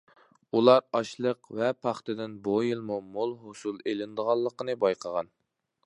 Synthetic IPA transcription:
ulˠɑɾɑʃlˠəqvɛpʰɑχt̪ɨd̪ɪnbojilˠmumolˠɦosulˠelɪnd̪əʁɑlˠːəqənɨbɑjqʰəʁɑn

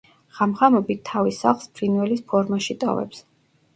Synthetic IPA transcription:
ʁamχamɔbit̪ʰːavisa̰χlˠspʰɾinwɛlispʰɔɾmaʃit̪ʼɔ̰vɛ̰ps

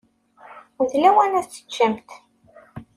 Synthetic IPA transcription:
əðlæwænæt͡sːə̥t͡ʃːæmt̪

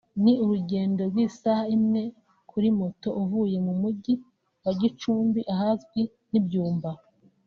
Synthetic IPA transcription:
niuɾuɟe̞ːndo̞ɾɡwiːsahaimŋe̞ | kʰuɾimoto̞ʔuvuje̞mumuɟi | waɟit͡ʃuːmbiʔahazɡwi | nibjuːmba

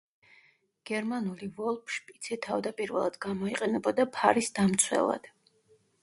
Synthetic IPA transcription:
ɡ̥ɛɾmanulivɔlˠpʰʃpʼit̪sʰit̪ʰavd̪apʼiɾvɛ̰lˠad̪ɡamɔiqʼɛnɛbɔd̪apʰaɾisd̪amt̪sʰwɛ̰lˠa̰d̪̥

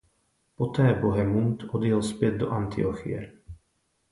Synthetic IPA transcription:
pot̪ɛːboɦɛmunt̪od̪jɛlspjɛd̪̚doʔant̪ɪoxɪ̰jɛ̰

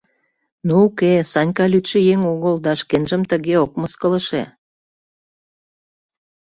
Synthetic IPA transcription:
nuukesɑnʲkɑlyt̪ʃə̆jeŋoɣəld̪ɑʃkenʒə̆mt̪ə̆ɣeokməskə̆lə̆ʃḛ

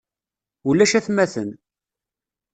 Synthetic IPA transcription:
ulːæʃæθmæθən

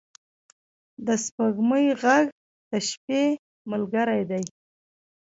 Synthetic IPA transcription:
d̪əspaɡməjɣaɡ | t̪aʃpe | mʊlɡaɾajd̪aj

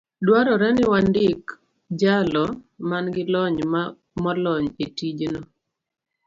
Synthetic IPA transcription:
dwaɾɔɾɛnɪwandɪk | d͡ʒalɔmanɡɪlɔɲm | mɔlɔɲetid͡ʒnɔ

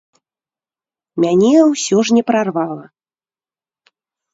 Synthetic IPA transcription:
mʲanʲɛwsʲɔʐnʲɛpɾarvalˠɐ

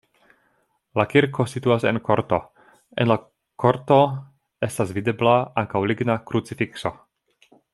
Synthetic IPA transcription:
lakiɾkʰo̞situasḛnkʰoɾt̪o̞ | ḛnla | kʰoɾt̪o̞ | e̞stasvide̞blaaŋkawliɡnakɾut͡sifikso̞

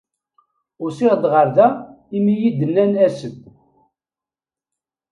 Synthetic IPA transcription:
ʊɾsɪʁd̪ʁəɾðæ | imijid̪ənːænæsəd̪

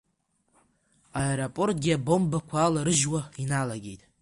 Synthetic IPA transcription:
aeɾopʼo̞rtʼɡʲɪabo̞mbakʷʰaːlaɾɨʒwainalaɡʲejtʼ

